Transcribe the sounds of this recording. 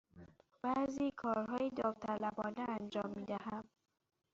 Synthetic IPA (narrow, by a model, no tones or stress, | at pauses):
b̥æziːkʰɒːɾɦɒːjed̪ɒːft̪ʰælæbɒːneænd͡ʒɒːmːiːd̪æhæm